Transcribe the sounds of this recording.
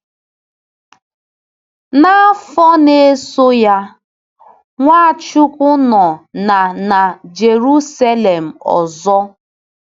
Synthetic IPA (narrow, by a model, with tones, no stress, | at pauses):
na˦fɔ˦ne˦so˦ja˦ | ŋʷa˦˨t͡ʃu˦kʊ˦nɔ˨na˨na˨d͡ʒe˨ɾu˦sa˦le˨m̩˨ɔ̰˨zɔ˦